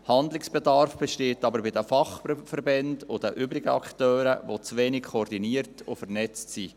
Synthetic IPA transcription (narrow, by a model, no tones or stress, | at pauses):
hɑndlɪksb̥ɛdɑɾfb̥ɛʃteːtɑbəɾbɪdəfɑχfəɾbɛndʊd̥əʔʏbɾɪɡəɑ̰ktœːɾəʋot͡sʋeːnɪkkʰɔɔrdiniəɾtʊ̰fərnɛt͡stsi